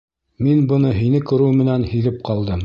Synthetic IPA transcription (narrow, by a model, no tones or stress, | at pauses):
minbɤ̆nɤɦinɘkɵ̆ɾɘwmɘ̆nænhilɘp̚qɑlˠd̪ɤm